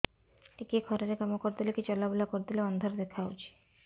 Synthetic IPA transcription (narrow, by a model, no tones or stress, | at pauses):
ekekʰɔɾaɾekamokoɾd̪ilekit͡ɕɔlabelakoɾd̪ileɔnd̪ʱoɾd̪ekʰaut͡ʃʰi̥